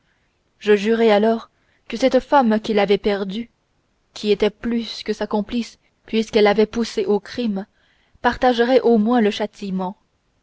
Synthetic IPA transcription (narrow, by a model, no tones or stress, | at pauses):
ʒəʒyʁɛalɔːʁ | kəsɛt̪famkʲilavɛpɛʁd̪y | kʲiet̪ɛplyskəsakɔ̃plis | pɥiskɛlːavɛpuseʔokχim | paʁt̪aʒəʁɛʔomwɛ̃ləʃat̪ʰimɑ̃